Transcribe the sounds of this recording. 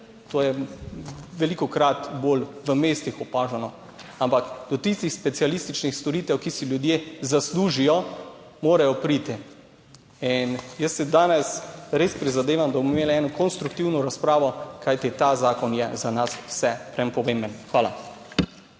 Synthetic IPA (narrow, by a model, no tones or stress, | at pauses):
t̪oːjɛ | ʋɛlikɔkɾat̪boːlʋəmeːst̪ixɔpaːʒanɔ | ampakd̪̥ɔt̪ist̪ixspɛt̪sialist̪it͡ʃnixst̪ɔɾiːt̪ɛwkisiljud̪jezasluːʒijɔ | moːɾajɔpɾiːt̪i | injəsːɛd̪aːnɛsɾeːspɾizad̪eːʋamd̪abmɔmimeːliɛːnɔkɔnst̪ɾuk̚t̪iwnɔɾaspɾaːʋɔkajt̪it̪azaːkɔnjɛzanaswsɛpɾɛmpɔʋembənxʋaːla̰